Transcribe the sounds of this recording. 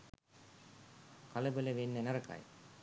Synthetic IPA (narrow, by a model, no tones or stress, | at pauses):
kʰɐlɐbɐlɐʋenːɐnɐɾɐka̰j